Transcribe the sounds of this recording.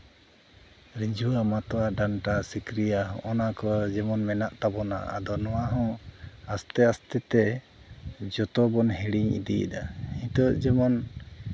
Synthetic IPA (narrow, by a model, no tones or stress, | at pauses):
ɾiɲd͡ʒuamat̪ɔaɖanʈasikɾijaɦɔ̰̃ʔɔnakɔd͡ʒɛmɔnmɛnaʔt̪abɔna̰a̰d̪ɔnɔwaɦɔ̃ast̪ɛast̪ɛt̪ɛ | d͡ʒɔt̪ɔbɔnɦiɽiɲḭd̪ḭd̪aiɲt̪ɔd͡ʒɛmɔn